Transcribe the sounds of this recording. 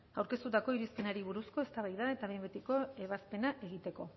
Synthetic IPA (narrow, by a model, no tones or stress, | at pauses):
awɾke̞st̪ut̪ako̞iɾispe̞naɾiβ̞uɾusko̞e̞st̪aβ̞ajðae̞t̪aβembet̪iko̞e̞β̞aspe̞naʔe̞ɣit̪e̞ko̞